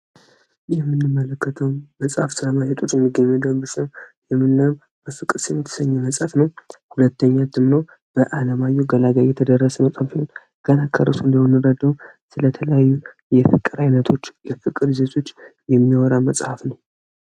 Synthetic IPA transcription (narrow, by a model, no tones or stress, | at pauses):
jɛmːɨnːɨmːələkːət̪ʰəwməsʼhafsɨləmajɛt̪ʼot͡ʃʼɛmːɨɡəɲːɛd̪əmbɨsəwjɛmːɨnːam | bəfɨkʼːɨsjɛmːɨt̪ʰɨ̥səɲːɛməsʼhafnəwhulət̪ːəɲːat̪ʰɨmnow | b̥əʔaləmajuɡəlaɡajet̪ʰəd̪ərːəsəməsʼhafihon | ɡ̥ənakʰːə̰ɾəsund̪əwnːɨɾəd̪əwusɨlət̪ʰələjajːu | jɛfɨkʼːɨɾajnət̪ʰot͡ʃːjɛfɨkʼːɨɾizet̪ʰo̞t͡ʃːjɛmːiwɔɾaməsʼhafnəw